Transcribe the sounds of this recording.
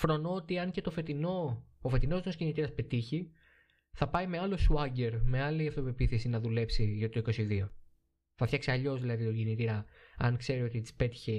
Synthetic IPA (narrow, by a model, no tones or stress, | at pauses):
fɾo̞no̞ot̪iɐɲce̞t̪o̞fe̞t̪inoofe̞t̪ino̞znoscinit̪iɾɐspe̞t̪içi | θɐpɐime̞ɐlo̞suɐɟe̞ɾme̞ɐliɐft̪ove̞piθesinɐðule̞psiʝɐot̪it̪oiko̞siðio̞ | θɐfçɐksiɐʎo̞zðilɐðit̪oɟinit̪iɾɐ | ɐŋkse̞ɾio̞t̪ispe̞t̪i̥çe̞